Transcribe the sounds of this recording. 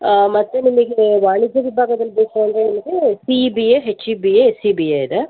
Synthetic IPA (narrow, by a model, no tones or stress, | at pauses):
mɐt̪ːenimɐɡeʋaːɳid͡ʒjɐʋibʱaːɡɐd̪ɐlːb̪eːsɐɐnd̪ɾenimɐɡesibijeɦet͡ʃːibiesiːbijeid̪e